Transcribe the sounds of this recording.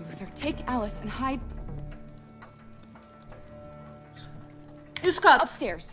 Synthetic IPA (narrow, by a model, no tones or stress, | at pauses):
ðə˞tʰeɪkælˠəsɨ̃nhaɪd̚ | uskɑʌpstɛɹz̥